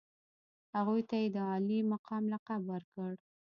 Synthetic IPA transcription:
haɣujt̪ajed̪əɑlimaqʰɑmlaqabwəɾkəɽ

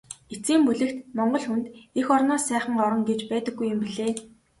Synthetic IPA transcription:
et͡siːmpuɮɘ̆kt̪mɔɴɢɞ̆ɮxunt̪exɔrnɔːsæːχə̆ŋɔɾɞ̆ŋɡet͡ɕpæːt̪ə̆ɡːujːʊmpiɮeː

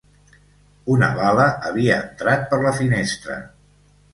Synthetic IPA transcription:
unə̰βaləʔəβ̞iəːnt̪ɾat̪̚pəɾləfinest̪ɾə̰

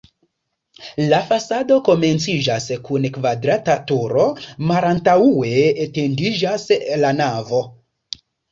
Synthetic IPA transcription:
lafasado̞ko̞me̞nt͡sid͡ʒaskunkvadɾatatuɾo̞malantawue̞ːte̞ndid͡ʒaslanavo̞

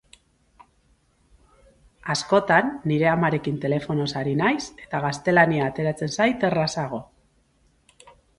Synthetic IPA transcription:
asko̞t̪anːiɾe̞amaɾe̞kint̪e̞le̞fo̞no̞saɾinajse̞̥t̪aɣast̪e̞laniaːt̪e̞ɾat͡se̞nsajt̪e̞rasaɣ̞o̞

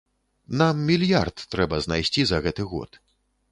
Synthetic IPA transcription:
namːʲilʲja̰rt̪ːɾɛbɐznajsʲt͡sʲizɐɣɛt̪ɨɣɔ̰t̪

